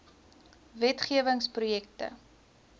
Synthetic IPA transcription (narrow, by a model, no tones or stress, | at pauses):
vɛtχiəvəŋsprujɛktə̰